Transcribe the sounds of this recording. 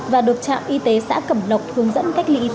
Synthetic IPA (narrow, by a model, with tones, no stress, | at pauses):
vaː˨˩ɗɨ˨˩ək̚t͡ɕa̰ː˧˨mʔi˧t̪e˨˦sa̰ː˧˥kə˧˩mlə˨˩wk͡p̚t̪ʰɨ˧əŋzə̰˧˥nka˦˥k̚lḭ˧ʔi˧